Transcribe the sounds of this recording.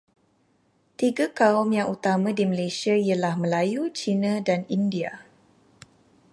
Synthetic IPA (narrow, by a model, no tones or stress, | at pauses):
t̪iɡakaʊmjaŋʔut̪amãdiməlasiaialahməlajut͡ʃinãdanindia̰